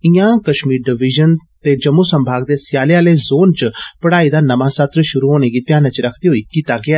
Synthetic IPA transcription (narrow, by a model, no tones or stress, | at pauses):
ĩjãkɐʃmiːɾɖɪʋiʒənt̪ed͡ʒɐmːusɐ̃mbʱaːɡd̪esjaːljãleːzoːnt͡ʃpɐɽaːid̪anɐmãsɐt̪ɾʃʊɾuɦoːneɡit̪jaːnət͡ʃɾɐkʰd̪iɦoiːkiːt̪aɡɪjaː